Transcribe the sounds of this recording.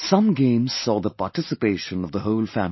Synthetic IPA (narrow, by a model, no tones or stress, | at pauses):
sʌ̃mɡẽɪ̃mz̥sɔːðəpɑʈɪsɨpeɪʃə̃nʌvðəhoʊlˠfæ̰̃m